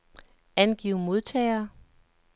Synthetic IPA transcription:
ænɡ̥ḭʊ̰mo̝ð̞ˠt͡sʰɛ̰ɪɐ

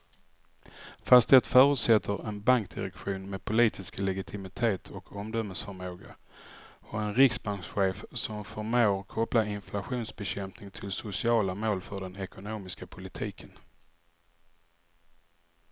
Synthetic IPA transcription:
fast̪d̪ɛt̪fœːɾʉt̪sɛt̪ʰːəɾɛnbaŋkd̪̥ɪ̰ɾɛkɧuːnmeːd̪̚pʰʊliːt̪ʰɪsklɛɡɪt̪ʰɪmɪt̪ʰeːt̪ʰɔkʰɔmd̪œməsfœɾmoːɡa | ɔɛnɾɪksbaŋksɧeːfsɔmfœɾmoːɾkʰɔplaɪnflaɧuːnsbɛɕɛmpnɪŋt̪ʰɪlsʊsɪɑːlamoːlfœɖɛnɛkʊnoːmɪskapʰʊlɪt̪ʰḭːkʰən

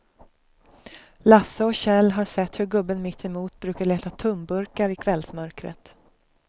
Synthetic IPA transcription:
lasːəɔɕɛlːɦaɾsɛt̪ːhɵɾɡɵbːənmɪt̪ʰːɛmuːt̪bɾʉ̟ːkaɭeːt̪at̪ʰɵmbɵɾkaɾɪkʰvɛlsmœɾkɾə̰t̪

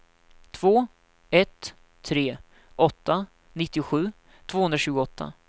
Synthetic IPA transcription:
t̪ʰvoː | ɛt̪ʰː | ɾeː | ʔɔt̪ːa | nɪt̪ːɪʊɧʉ̟ː | t̪ʰv̥oːhɵnd̪ɾaɕʉːɡʊɔt̪ʰːa̰

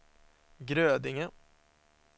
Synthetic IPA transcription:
ɡɾøːd̪ɪŋə

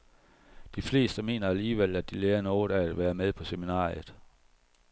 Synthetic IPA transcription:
d̥ifle̝̰ːsd̥əme̝̰ːnɐæliːʋel̰æd̥ileːɐnɒːɾææd̥ʋæːɐmeð̞ˠpʰɒ̽seminɑ̰̈ːjð̩ˠ

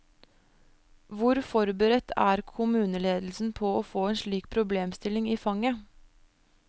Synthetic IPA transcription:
ʋʊɾfɔɾbəɾɛt̪ʰæːɾkʰʊmʉːnəleːd̪l̩sn̩pʰɔːoːfoːeːnʃɭiːkpʰɾʊbleːmst̪ɪlɪŋiːfɑŋə

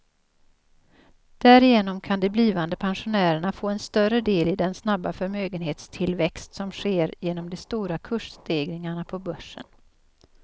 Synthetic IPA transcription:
d̪̥æɾɪjeːnɔmkʰand̪ɛbliːvand̪əpʰɛnɧʊnæːɾəɳafoːɛnst̪œrəd̪eːlɪd̪ɛnsnabːafœɾmøːɡənɦeːt̪st̪ʰɪlvɛkst̪sɔmɧeːɾjeːnɔmd̪ɛst̪uːɾakʰɵʂst̪eːɡɾɪŋaɳapʰɔbœʂːə̰n

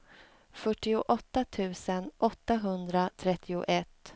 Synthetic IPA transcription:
fœʈːɪʊʔɔt̪ːat̪ʰʉ̟ːsənʔɔt̪ːaɦɵnd̪ɾat̪ʰɾɛt̪ʰːɪʊ̰ʔɛt̪ː

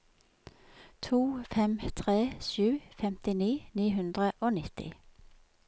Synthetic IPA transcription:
t̪ʰuːfɛmt̪ʰʁeːʃʉːfɛmt̪ɪniːniːɦʉnd̪ʁəʔoːnɪt̪ɪ̰

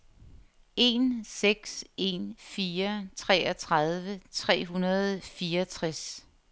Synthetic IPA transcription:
e̝nseɡ̥se̝̰nfiːɐt͡sʰʁɛ̰ːɐt͡sʰʁað̞ˠʋət͡sʰʁɛ̰ːɦunɐð̞̩ˠfiːɐɐt͡sʰʁaɛs

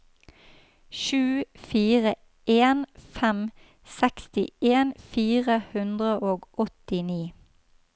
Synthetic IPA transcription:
ʃʉːfiːʁə | ʔeːnfɛm | sɛkst̪ɪʔeːnfiːʁəhʉnd̪ʁəʔoːɡʔɔt̪ɪniː

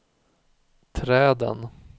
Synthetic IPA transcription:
t̪ʰɾɛːd̪ə̰n

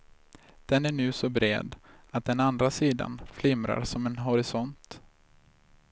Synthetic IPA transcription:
d̪̥ɛnæɳʉ̟ːsɔbɾḛːd̪ | at̪̚d̪ɛnand̪ɾasiːd̪a̰nflɪmɾa̰ɾsɔmɛnɦɔɾɪsɔnt̪

